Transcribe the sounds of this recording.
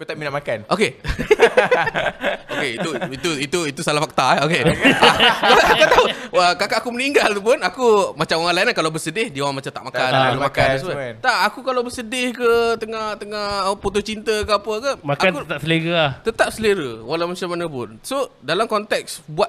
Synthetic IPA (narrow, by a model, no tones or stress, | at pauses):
kut̪aʔminaʔmakanʔoke | okeiuit̪uit̪uit̪usalahfak̚t̪aɛoke | kak̪at̪auəkakaʔakuməniŋɡalt̪upʊnakumat͡ʃamwaŋalanlakalawbəsədɪhdiwaŋmat͡ʃamt̪a̰ʔmakkanɾəmakanasət̪aʔakukalawbəsədɪhkət̪əŋaht̪əŋahəput̪ot͡ʃint̪əkəapəkəmakakut̪asəleɡat̪ət̪ap̚səliɾəwalawmat͡ʃamanəpʊ̰nsodalamkɔnt̪ɛk̚sbuat̪̚